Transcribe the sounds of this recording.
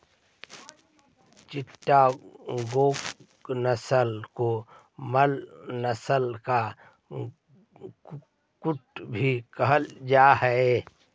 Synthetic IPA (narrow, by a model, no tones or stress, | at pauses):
t͡ʃɪʈːaɡoːk | nəsəlko | məlnəsəlka | kʊʈbʱikəɦəld͡ʒaːɦɛe